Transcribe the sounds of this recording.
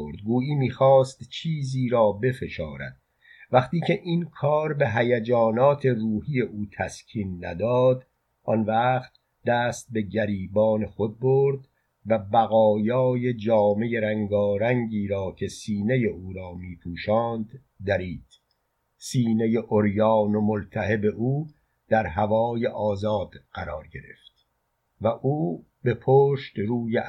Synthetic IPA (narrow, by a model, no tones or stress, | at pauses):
oɾd̪̚ɡuːiːmiːxɒːst̪t͡ʃʰiːziːɾɒːbe̞fe̞ʃɒːɾæ̰d̪̥̚ | væχt̪iːcʰe̞ʔinkʰɒːɾbe̞ɦæjæd͡ʒɒːnɒːt̪ʰe̞ruːhije̞ʔuːt̪ʰæscʲʰiːnːæ̰d̪ɒːd̪ | ʔɒnvæχt̪̚ | d̪æːst̪̚be̞ɟæɾiːbɒːne̞xo̞d̪̚boɾd̪ | væbæɣɒːjɒːje̞d͡ʒɒːme̞je̞ɾæŋɡɒːɾæŋɡiːɾɒːcʰe̞siːne̞je̞ʔuːɾɒːmiːpʰuːʃɒːnd̪ː | æɾiːd̪̥ | siːneje̞ʔoɾjɒːnomolt̪ʰæhebe̞ʔuː | d̪̥æɾɦævɒːjeʔɒːzɒːd̪̥ɢæɾɒ̰ːɾɟe̞ɾḛft̪̚ | væʔuː | be̞pʰoːʃt̪ruːje